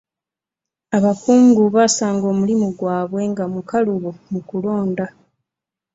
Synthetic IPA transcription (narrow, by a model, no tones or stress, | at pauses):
aβakuːŋɡuβasaːŋɡo̞ːmulimuɡwaːβwe̞ŋɡamukaluβomukulo̞ːnda